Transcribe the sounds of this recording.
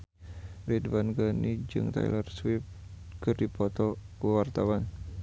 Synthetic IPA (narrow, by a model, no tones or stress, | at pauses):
rɛdwanɡanid͡ʒɨ̰ŋt̪a̰j̰lərswɪp̚ | kɨrdipɔt̪ɔkəwart̪awan